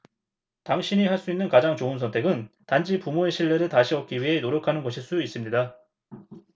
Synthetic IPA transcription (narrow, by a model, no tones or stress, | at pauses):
taŋɕʰiɲiɦaɭs͈uinːɯnkad͡ʑaŋt͡ɕoɯnsʰʌntʰe̞ɡɯntand͡ʑipumoe̞ɕʰiɭːe̞ɾɯɭtaɕʰiʌk̚k͈iɥiɦe̞noɾjokʰanɯnɡʌɕʰiɭs͈udis͈ɯmɲida